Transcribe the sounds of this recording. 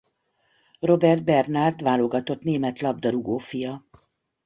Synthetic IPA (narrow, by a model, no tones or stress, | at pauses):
ro̞bɛrd̪̚bɛrnart̪ʋaːlo̞ɡɒt̪o̞t̪neːmɛt̪lɒb̚d̪ɒɾuɡoːfijɒ